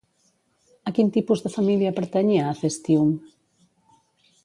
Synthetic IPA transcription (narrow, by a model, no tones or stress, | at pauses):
akint̪ipuzðəfamiljɐpəɾt̪ɛɲeaːfest̪ium